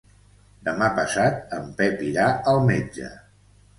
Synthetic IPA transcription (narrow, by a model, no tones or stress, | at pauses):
d̪əmapəsat̪̚əmpɛpiɾaəlˠmed͡ʒə̰